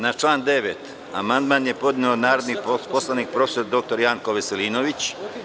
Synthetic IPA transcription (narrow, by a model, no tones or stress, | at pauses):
nat͡ʃlˠaːnd̪e̞ʋet̪ | amand̪manje̞po̞d̪neonaːɾo̞d̪nipo̞slˠaniːk̚pɾo̞feso̞ɾd̪o̞k̚t̪o̞ɾjaŋko̞ʋeseliːnoʋit͡ɕ